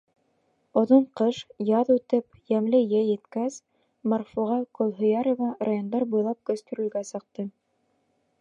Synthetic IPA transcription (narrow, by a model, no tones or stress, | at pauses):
ŏðoɴqɤʃjɑðʉt̪ɘpjæmlɘjɘjɘ̆t̪kæs | mɑrfuʁɑkolˠɦɵ̆jɑɾovɑrajond̪ɑɾbujlˠɑp̚kɵ̆st̪ɵ̆ɾɵ̆lɡæsɤ̆q̚t̪ɤ